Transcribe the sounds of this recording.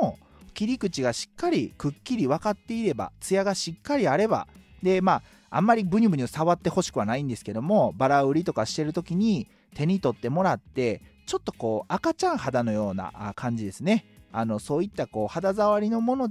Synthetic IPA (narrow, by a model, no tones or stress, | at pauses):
o | kʲiɾʲikɯ̟t͡ɕiɡaɕi̥kːaɾʲikɯ̟kʲːiɾʲiβakat̪ːe̞iɾe̞ba̰t͡sɨjaɡaɕikːaɾʲiaɾe̞ba̰d̪e̞ma̰ː | mːaɾʲibɯ̟ɲ̟ibɯ̟ɲ̟isaβat̪ːe̞ho̞ɕi̥kɯβanaĩnd̪e̞sɨ̥ke̞d̪o̞mo̞baɾaɯ̟ɾʲit̪o̞kaɕi̥t̪e̞ɾɯ̟t̪o̞kʲiɲ̟i | t̪e̞ɲ̟it̪o̞t̪ːe̞mo̞ɾat̪ːe̞ | t͡ɕo̞t̪ːo̞̥ko̞ːakat͡ɕãɰ̃had̪ano̞jo̞ːna̰kʰãɲ̟d͡ʑid̪e̞sɨne̞ano̞so̞ːit̪ːako̞ːhad̪azaβaɾʲino̞mo̞no̞d̪